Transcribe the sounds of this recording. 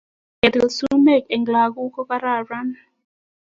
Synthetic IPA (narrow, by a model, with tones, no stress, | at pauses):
ɡɛ˨d̪i˨lsu˦mɛ˦˨kɛ˨ŋɡla˨ku˦kɔ˦ka˦ɾa˦˨ra˦n